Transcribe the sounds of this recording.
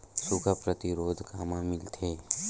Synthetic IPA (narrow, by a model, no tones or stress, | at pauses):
sʊkʰəpɾət̪ɪɾoːd̪ʱkaːmãmɪlt̪ʰeː